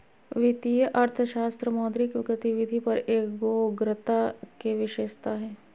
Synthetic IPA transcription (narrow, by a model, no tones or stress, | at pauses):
ʋɪt̪ijəʔɐɾt̪ʰəʃaːst̪ɾəmɔːd̪ɾikʋɪɡət̪iʋɪd̪ʱipɐɾeːkɡoːɡɾət̪akeʋɪʃeːʃt̪aɦɛː